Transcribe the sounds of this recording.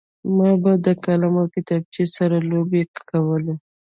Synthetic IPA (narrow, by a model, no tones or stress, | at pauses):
mɑbad̪əkalamokɪt̪ɑb̚t͡ʃesaɾalobekawəle